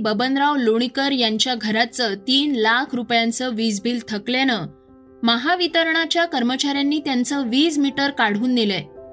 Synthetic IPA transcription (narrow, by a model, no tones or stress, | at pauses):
bəbənɾaʋloɽ̃ikəɾjaɲt͡ɕjaɡʱəɾat͡sət̪iːnlakʰɾupjant͡səʋid͡zbiːlt̪ʰəklanə | məɦaʋit̪əɾɳat͡ɕjakəɾmət͡ɕaɾjanːiːt̪jant͡səʋiːd͡zmiʈəɾkaɽ̤uːnd̪ilɛ